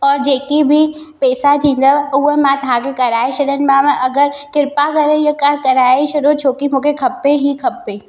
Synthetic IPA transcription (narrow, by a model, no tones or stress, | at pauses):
ɔːɾd͡ʒeːkibʱi | pɛːsat̪ʰĩːnd̪əuɦəmãt̪ɐɦãkekɐɾaːeʃɐɗənɪ̆mãmə̃ʔɐɡəɾkɪɾpakɐɾejəkaɾkɐɾaːeʃɐɗot͡ʃʰoːkimũːkʰekʰɐpːeɦikʰɐpːeː